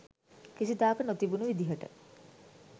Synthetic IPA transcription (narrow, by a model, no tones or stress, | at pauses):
kisid̪aːkənot̪ibunuʋid̪iɦəʈə̰